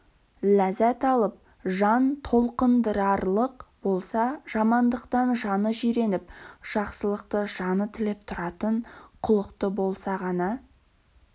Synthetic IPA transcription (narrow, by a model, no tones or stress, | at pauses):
læzæt̪ɑlˠəp̚ | ʒɑnt̪ʰo̞lˠqənd̪əɾɑɾlˠəqbo̞lˠsɑʒ̥ɑmɑnd̪əqt̪ɑnʒɑnəʒiɾe̞nɪp̚ʒ̥ɑqsəlˠəqt̪əʒɑnət̪ʰɪlɪp̚t̪ʰʊɾɑt̪əɴqʰʊlˠəqt̪əbo̞lˠsɑʁɑnɑ